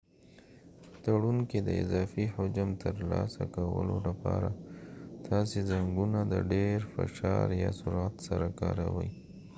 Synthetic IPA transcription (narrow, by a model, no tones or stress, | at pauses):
t̪aɽunked̪əɪzɑfihʊd͡ʒamt̪ʰəɾlɑsakawə̰lolapɑɾat̪ɑsezaŋɡunad̪əɖeɾfɪʃɑɾjɑsʊɾat̪saɾakɑɾawəj